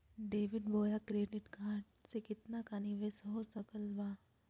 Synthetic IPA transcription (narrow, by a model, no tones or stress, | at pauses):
ɖeːʋɪɖboːjakɾeːɖɪʈɡʱãːʈsekɪt̪nakaniʋeːsɦoːsɐkəlʋaː